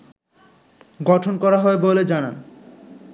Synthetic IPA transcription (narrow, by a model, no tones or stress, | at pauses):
ɡɔʈʰonkɔɾaɦɔeboled͡ʑana̰n